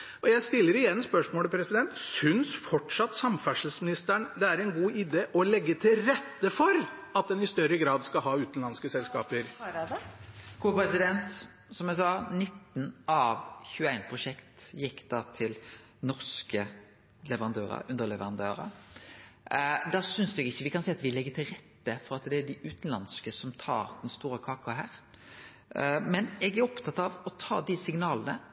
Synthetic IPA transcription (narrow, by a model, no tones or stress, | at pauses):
ɔjæɪst̪ɪlːəɾɪjɛnːspœʂmoːləpʰɾɛsɪd̪ɛnt̪sʏnsfɔʈʂɑt̪ːsɑmfæʂlsmɪnɪst̪æɳd̪ɛæɾɛnɡuːʔɪd̪eːʔɔlɛɡːət̪ʰɪlɾɛt̪ːəfɔɾɑt̪̚d̪ɛnɪst̪œɾːəɡɾɑːd̪skɑlɦɑːʉːt̪n̩lɑnskəsɛlskɑːpəɾ | kʰoːpɾɛsɪd̪ɛnt̪ | sɔmæsɑːnɪt̪ːnɑʋçʉːæɪnpʰɾʊʂɛkt̪jɪkːd̪̥ɑːt̪ʰɪl | nɔɾskə | lɛʋəɾɑnd̪øːɾə̰ʉnd̪əɾlɛʋəɾɑnd̪ø̰ːɾə̰ | d̪ɑːsʏnsd̪ʉɛɡɪçːəʋɪkʰɑnsɛɪːɑt̪ʋɪlɛɡːət̪ʰɪlɾɛt̪ːəfɔɾɑt̪d̪ɛæɖ̪ɪʔʉːt̪nlɑnskəsɔmt̪ʰɑ̰ːɾd̪̥ɛnst̪uːɾəkʰɑːkɑɦæːɾ | mɛnɛɡæɾɔpt̪ʰɑt̪ɑʋɔt̪ʰɑ̰ːd̪ɪsɪŋnɑːlənə